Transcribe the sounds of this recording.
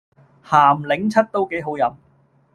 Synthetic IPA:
haː˨˩mlɪ˨˥ŋt͡sʰɐ˥t̚t̪o˥wke˨˥jɦo˨˥wjɐ˨˥m

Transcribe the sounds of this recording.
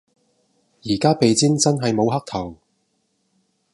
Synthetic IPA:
jiː˨˩kaː˥pe˨˧jt͡siː˥nt͡sɐ˥nɦɐ˨jmo˨˧wɦɐ˥k̚t̪ʰɐ˨˩w

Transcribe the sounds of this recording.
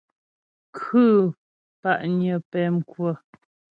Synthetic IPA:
kʰʉ˦˨ | pa˦˨ʔɲə˨pɛ˨m˨kwə˨

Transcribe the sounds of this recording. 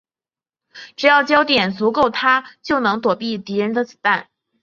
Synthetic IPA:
ʈ͡ʂɻ̩˨˩jɑ˥˩ʊt͡ɕjɑ˥ʊt̪jɛ˨˩nt͡su˧˥ko˥˩ʊt̪ʰa˥t͡ɕjo˥˩ʊnɤ˧˥ŋt̪wɔ˨˩pi˥˩t̪i˧˥ɻə˧˥nd̪ə˧t͡sɹ̩˨˩t̪a˥˩n

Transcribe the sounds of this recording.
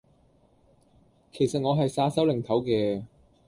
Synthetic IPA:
kʰe˨˩jsɐ˨t̚ŋɔː˨˧ɦɐ˨jsaː˧sɐ˨˥wlɪ˨˩ŋt̪ʰɐ˨˥wkɛː˧

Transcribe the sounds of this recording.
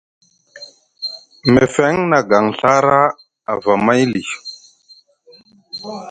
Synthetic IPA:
me˨fɛ˦ŋna˨ɡa˨ŋɬa˦ɾa˦ | a˨va˨ma˦jli˨

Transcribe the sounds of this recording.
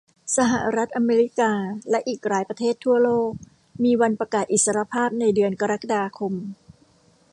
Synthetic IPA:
sa˧ɦa˨˧˩ɾa˦˥t̪̚ʔa˧meː˧ɾi˦˥kaː˧lɛ˦˥ʔiː˨˩k̚ɾaː˩˦jpɾa˧t̪ʰeː˥˩t̪ʰːu˥˩ɐloː˥˩k̚ | miː˧wa˧npɾa˧kaː˨˩t̪̚ʔi˨˩t̪̚sa˧ɾa˧˥pʰaː˥˩p̚na˧jdɯ˧ənka˧ɾa˦˥ka˧daː˧kʰo˧m

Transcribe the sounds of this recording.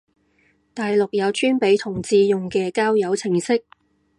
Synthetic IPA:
t̪aː˨jlʊ˨k̚jɐ˨˧wt͡ʃyː˥npe˨˥jt̪ʰʊ˨˩ŋt͡siː˨˧jʊ˨ŋkɛː˧kaː˥wjɐ˨˧wt͡sʰɪ˨˩ŋsɪ˥k̚

